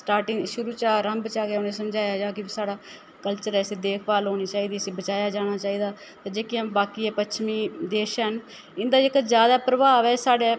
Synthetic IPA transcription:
sʈaːɾʈɪŋɡʃʊɾuːt͡ʃaːɾəmbət͡ʃaːkeʊnẽːsəmd͡ʒaːjaːd͡ʒaːkɪbisaːɽaː | kəlt͡ʃəɾɛːseːd̪eːkʰʋaːlɦoːñiːt͡ʃaːiːd̪iːəseːbət͡ʃaːjaːd͡ʒaːɽ̃aːt͡ʃaːiːd̪aː | t̪aːd͡ʒeːkiãmbaːkiːɛːpətt͡ʃʰmiːd̪eːʃɦən | ɪnd̪aːɪkzjaːd̪aːpɾəbaːʋɛːsaːɽeː

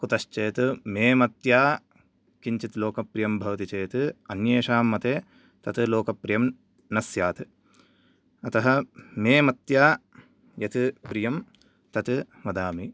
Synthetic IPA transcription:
kut̪ɐʃt͡ʃeːt̪umeːmɐt̪jaː | kiɲt͡ʃit̪loːkɐpɾijɐmbʱɐʋt̪it͡ʃeːt̪ɨɐnjeːʃaːmːɐt̪eː | t̪ɐt̪ɨloːkɐpɾijɐm | nɐsjaːt̪ɨ | ɐt̪ɐɦɐmeːmɐt̪jaː | jɐt̪ɨpɾijɐm | t̪ɐt̪ɨ | ʋɐd̪aːmi

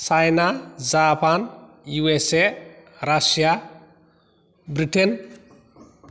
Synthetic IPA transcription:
sajnazapʰan | juese | ɾasja | bɾiʈʰen

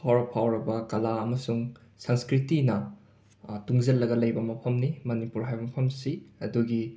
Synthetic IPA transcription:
pawɾɐpʰawɾɐbɐkɐlaɐmɐsuŋ | sɐŋskɾitinɐ | tuŋzɐlːɐɡɐlɐjbɐmɐpʰɐmnimɐnipuɾɦajbɐmɐpʰɐmsiɐduɡi

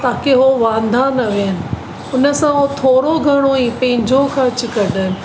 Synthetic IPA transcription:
t̪aːkeɦoʋãːnd̪ʱaːnɐʋeːnɪ̆ | ʊnə̆sãɦot̪ʰoːɽoɡʱɐɽ̃oĩːpɐ̃ɦɪ̃ɲd͡ʑʱoxɐt͡ɕʊkɐɗənɪ̆

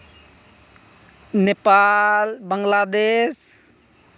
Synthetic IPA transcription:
nepalbəŋlad̪es

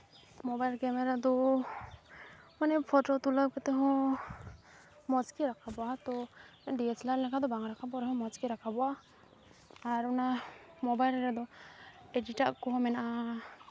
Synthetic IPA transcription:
mɔbajlkɛmɛɾad̪ɔ | manɛpʰɔʈot̪ulab̚kɛt̪ɛɦɔ̃ | mɔt͡ʃkiɾakʰabɔat̪ɔɖiet͡ʃlaɾlɛkʰad̪ɔbaŋɾakʰabɔɾɛɦɔ̃mɔt͡ʃkiɾakʰabɔa | ɾɔnamɔbajlɾad̪ɔediʈaʔkɔɦɔ̃mɛnaʔa

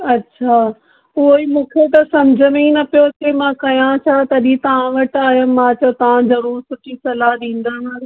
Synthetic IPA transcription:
ɐtːɕʰaː | ʊɦoimũːkʰet̪ɐsɐmd͡ʑʱəmẽnɐpijotʰemãːkɐjãt͡ɕʰaːt̪ɐɐɗĩt̪ɐʋ̤ãʋɐʈaːɦijəmmːãt͡ɕɐt̪ɐʋãzɐɾuːɾsʊʈʰisɐlaɦɗĩːn̆d̪anaː

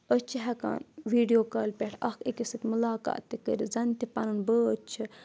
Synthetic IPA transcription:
ət͡ʃʰiɦɐka̰ːnʋiːɖjoːkɐːlpʲeʈʰɐxikisɨt̪ʲmulaːka̰ːt̪ːikəɾizɐnt̪ipɐnɨnbəət͡ʃʰi

